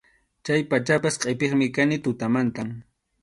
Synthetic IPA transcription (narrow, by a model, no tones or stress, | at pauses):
t͡ʃajpat͡ʃapasqʼepeχmɪkanɪt̪ʊt̪amant̪aŋ